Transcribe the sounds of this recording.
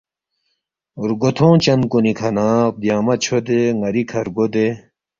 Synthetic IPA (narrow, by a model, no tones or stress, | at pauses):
ɾɡot̪ʰõːt͡ɕɐnkonikʰɐnãːp̚d̪jaːmɐt͡ɕʰod̪eŋɐɾikʰɐɾɡod̪e